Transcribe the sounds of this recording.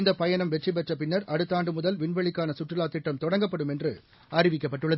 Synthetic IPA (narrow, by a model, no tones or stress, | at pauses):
ɪnd̪ɐpɐjɐnɐmʋɛʈrɪpɛʈrɐpɪnːɐɾʔɐɽɯt̪ːaːɳɖɯmʊðɐlʋɪɳʋɐɭɪkːaːnɐsʊʈrɪlaːt̪ːɪʈːɐmt̪ɔɽɐŋɡɐpːɐɽɯmɛndrɯ | ɐrɪʋɪk̬ːɐpːɐʈːɯɭːɐð